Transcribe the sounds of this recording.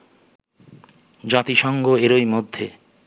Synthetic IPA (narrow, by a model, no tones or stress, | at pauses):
d͡ʑat̪iʃɔŋɡoeɾojmod̪ʱːe